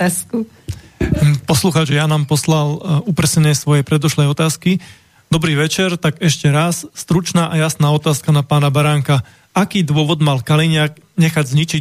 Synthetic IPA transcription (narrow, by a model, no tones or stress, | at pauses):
sku | pɔsluxaːt͡ʃjanaːmpɔslalupɾɛsɛɲɛsʋɔjɛpɾɛd̪ɔʃlɛjɔt̪aːski | d̪ɔbɾiːʋɛt͡ʃɛɾt̪aɡɛʃcɛɾasːt̪ɾut͡ʃnaːʔajasnaːɔt̪aːskanapaːnabaɾaːŋka | akiːd̪ʊɔʋɔd̪malkaliɲɪak̚ | ɲɛxaɟzɲit͡ʃi